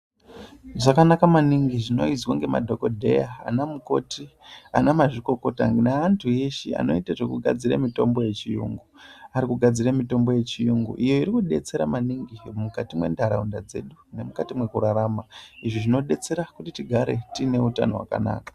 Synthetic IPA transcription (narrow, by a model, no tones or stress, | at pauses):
ʐakanakamaniŋɡiʐino̞izwaŋɡe̞ma̰dʱo̞ko̞dʱe̞̰ja̰ːnamuko̞tianamaʐiko̞ko̞ta̰ŋnaːntʰuje̞ʃea̰no̞itaʐekuɡʱa̰d͡ziɾḛmito̞mbo̞je̞t͡ʃijṵŋɡuaɾikuɡʱad͡ziɾamito̞mbo̞je̞t͡ʃijuŋɡṵʔijo̞iɾikuɗe̞t͡se̞ɾamaniŋɡimukatimwe̞̰ndaɾaundad͡ze̞̰ɗune̞mukatimwe̞kuɾaɾamaiʐiʐino̞ɗe̞t͡se̞ɾakutitiɡʱaɾe̞tine̞uta̰no̞wa̰ka̰na̰ːkḁ